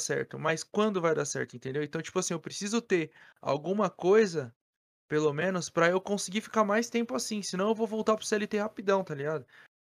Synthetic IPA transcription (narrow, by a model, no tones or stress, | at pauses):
sɛ̰ɾt̪ʊmɐjskwɐ̃nd̪ʊvajd̪asɛ̰ɾt̪ʊẽnt̪ẽnd̪ewẽt̪ɐ̃w̃t͡ʃi̥pʊasĩewpɾesizʊt̪eɾ | a̰wɡũmɐkojzɐ | pelomẽnʊspɾɐewkõsɪɡiɾfi̥kaɾmajst̪ẽmpʊasĩsɪnɐ̃w̃ewvowvowt̪aɾpɾʊseɛlit̪ehapid̪ɐ̃w̃t̪aliɡad̪ʊ